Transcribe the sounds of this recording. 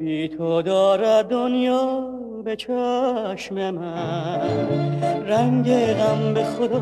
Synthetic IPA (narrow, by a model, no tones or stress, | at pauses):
biːt̪ʰod̪ɒːɾæd̪onjɒː | bet͡ʃʰɔːʃmemæ | ɾæɲɟeɾæmbexod̪